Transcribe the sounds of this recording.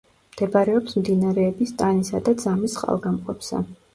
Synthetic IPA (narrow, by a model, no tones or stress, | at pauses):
md̪̥ɛbaɾɛɔpsmd̪inaɾɛːbist̪ʼanisad̪ad̪zamisχʼa̰lˠɡamqʼɔpsa̰